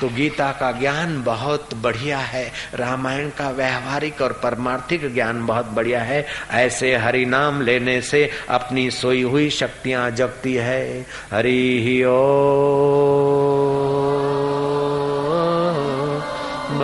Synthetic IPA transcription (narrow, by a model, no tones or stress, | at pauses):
t̪oɡiːt̪akaɡjaːnbɐɦʊt̪bɐɽ̤ijaɦɛːɾaːmaːjənkaʋɛɦʋaːɾɪkɔːɾpɐɾmaːɾt̪ʰɪkɡjaːnbɐɦʊt̪̚bɐɽ̤ijaɦɛɛːseɦɐɾinaːmleːneseɐ̰pnisoiɦʊiʃɐk̚t̪ijãd͡ʒɐɡt̪iɦɛː | ɦɐɾiɦioː